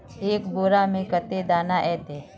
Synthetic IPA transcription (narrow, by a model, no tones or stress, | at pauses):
eːkboːɾaːmẽkət̪ed̪aːnaʔɛːt̪eː